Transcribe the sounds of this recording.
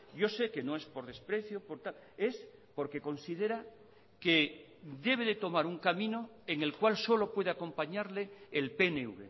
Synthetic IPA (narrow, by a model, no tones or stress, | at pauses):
ɟ͡ʝo̞se̞ke̞noe̞spo̞ɾðe̞spɾe̞θjopo̞ɾt̪ale̞spo̞ɾke̞ko̞nsiðe̞ɾa | ke | d̪e̞β̞e̞ðe̞t̪o̞maɾuŋkamĩno̞ | eŋe̞lkwalso̞lo̞pwe̞ð̞eako̞mpaɲaɾle̞ːlpeneṵβḛ